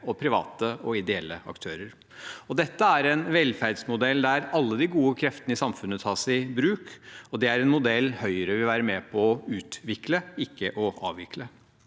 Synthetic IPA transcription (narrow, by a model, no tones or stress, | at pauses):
ɔpʰɾɪʋɑ̰ːt̪əɔɪd̪ɛɛlːəɑ̰kt̪ʰøːɾəɾ | ɔd̪ɛt̪ːəæɾɛnʋɛlfæɾɖ̪smʊd̪ɛld̪æɾɑlːəd̪ɪɡuːəkʰɾɛft̪ənəɪsɑmfʉnːət̪ʰɑːʂɛɪbɾʉːkɔd̪ɛæɾɛnmʊd̪ɛlːhœʏəɾəʋɪʋæːɾəmɛpʰɔɔʉːt̪ʋɪkləɪkːəʔɔɑ̰ːʋʋɪklə